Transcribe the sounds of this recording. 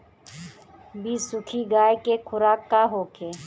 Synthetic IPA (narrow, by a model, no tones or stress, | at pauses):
biːsʊkʰiɡaːjkekʰʊɾaːkːaɦoːkʰeː